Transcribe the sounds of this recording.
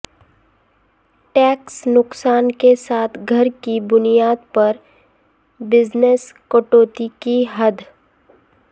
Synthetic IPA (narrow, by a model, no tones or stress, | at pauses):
ʈɛːksnʊksaːnkesaːt̪ʰɡʱɐɾkibʊnijaːd̪̚pɐɾ | bɪzneskoʈoːt̪ikiɦɐd̪